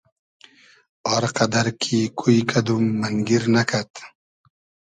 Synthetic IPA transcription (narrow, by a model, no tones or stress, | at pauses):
ɔɾqad̪aɾkʰikʰuikad̪umːɐŋɡiɾnakʰat̪